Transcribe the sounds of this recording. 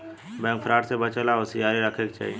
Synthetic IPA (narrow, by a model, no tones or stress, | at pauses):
bɛ̃ːŋk̚pʰɾaːʈsebət͡ʃəlaosijaːɾiɾəkʰeːkt͡ʃa̰ːɦie